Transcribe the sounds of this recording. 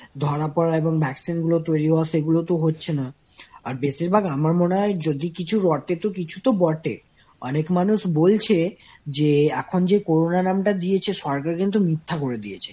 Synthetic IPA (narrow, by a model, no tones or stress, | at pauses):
d̪ʱɔɾapɔɾaeboŋbʱɛksinɡulot̪ojɾiɦaaʃeɡulot̪oɦotːɕʰenaaɾbesiɾbʱaɡamaɾmoneɦɔed͡ʑod̪ikit͡ɕʰuɾɔʈet̪okit͡ɕʰu̥t̪obɔʈḛ | ɔ̰nekmanuʃbolt͡ɕʰe | d͡ʑeɛkʰond͡ʑekoɾonanamʈad̪iet͡ɕʰeʃɔɾkaɾkint̪̬umit̪ʰːakoɾed̪iet͡ɕʰe̥